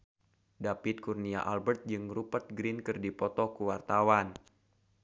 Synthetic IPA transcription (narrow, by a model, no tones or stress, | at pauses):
dapɪt̪̚kurnia̰ʔalbərt̪̚d͡ʒɨŋrupət̪̚ɡɾinkɨrdipɔt̪ɔkuwart̪awan